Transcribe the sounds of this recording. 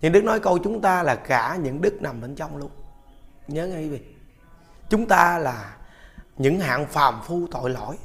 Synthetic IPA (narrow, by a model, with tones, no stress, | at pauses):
ɲɨ̰˧˥ŋɗɨ˦˥k̚nɔ˨˦jkə˧wt͡ɕʊ˨˦ŋ͡mt̪aː˧laː˨˩kaː˧˩ɲɨ̰˧˥ŋɗɨ˦˥k̚na˨˩mɓe˧˩nt͡ɕɔ˧wŋ͡mlu˧ənɲəː˨˦ŋa˧jvi˨˩ | t͡ɕʊ˨˦ŋ͡mt̪aː˧laː˨˩ | ɲɨ̰˧˥ŋha̰ː˧˨nfaː˨˩mfu˧t̪o̰˧˨jlɔ̰˧˩˨j